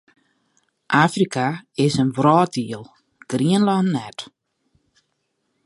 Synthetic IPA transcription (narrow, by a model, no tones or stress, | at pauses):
ʔaːfrikaɪsənvrɑːt̚diəlˠ | ɡ̥riənlɑnnɛt